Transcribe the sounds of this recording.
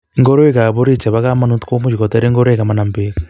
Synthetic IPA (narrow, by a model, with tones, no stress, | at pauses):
iŋɡo˦ɾo˦e˦ka˨βo˦ɾi˦t͡ʃe˨βaɣa˦ma˦nutu̥ko˦mu˦ʃiko˨ta˦ɾe˦ŋɡo˦ɾo˦eɣa˨ma˨na˨mbeɣa